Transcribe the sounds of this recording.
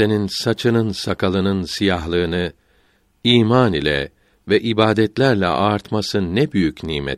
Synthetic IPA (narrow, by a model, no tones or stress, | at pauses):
e̞ninsat͡ʃʰɯnɯnsakʰalˠɯnɯnsijaɦlˠɯːnɯ | iːmaːnilʲɛ̰ | vɛʔibaːd̪ɛt̪lʲæɾlʲɛ̰ʔaːɾt̪masɯnɛbyjycniːmɛ̰t̪